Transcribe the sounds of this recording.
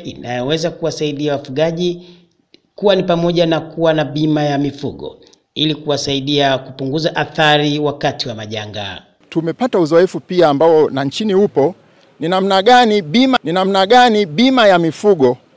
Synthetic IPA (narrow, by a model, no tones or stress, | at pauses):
ḭna̰jɔwɛzakuwasaiɗiawafuɠaʄi | kuwanipamɔʄanakuwanaɓimajamifuɠɔ̰ | ilikuwasaiɗiakupuŋɡuzaʔaθaɾiwakatiwamaʄaŋɡa̰ | tumɛpatauzɔɛfupiaːmbaɔnaɲt͡ʃinihupɔ | ninamnaɠaniɓimaninamnaɠaniɓimajamifuɠɔ